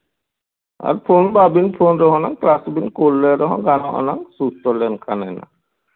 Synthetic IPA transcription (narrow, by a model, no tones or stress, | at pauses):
a̰ɾpʰonbabinpʰonɾɔɦɔ̃naŋklasbinkolːɛɾɔɦɔ̰̃ɡanɔʔɔ̰naŋsust̪ɔlɛnkʰanɛna̰